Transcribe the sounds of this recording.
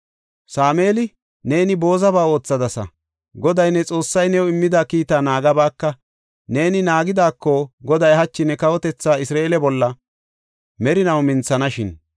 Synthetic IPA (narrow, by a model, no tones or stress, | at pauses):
saːme̞ːlɪ | ne̞ːnɪbo̞ːzɐbaːo̞ːt͡sːɐd̪ɐsɐ̰ | ɡɔd̪ɐjnːɛt͡sʼo̞ːsːɐjnɛwɔɪmːɪd̪akiːt̪aːnaːɡɐbaːkːɐ | ne̞ːnɪnaːɡɪd̪aːkːɔɡɔd̪ɐjɦɐt͡ʃːɪnɛkɐwɔt̪ɛt͡sːaːɪsɾaːelɛbɔlːɐ | mɛɾɪnɐwmɪnt͡sːɐnɐʃɪn